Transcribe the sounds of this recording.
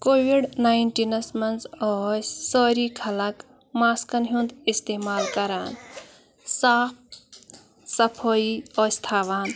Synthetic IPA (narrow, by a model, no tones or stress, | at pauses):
koːʋiɖnaiɳʈinɐsmɐnzɔssɔːɾikʰɐlɐk | maːskənɦũnd̪ist̪emaːlkɐɾaːn | saːk̚ | sɐpʰɔiɔːst̪ʰaːʋaːn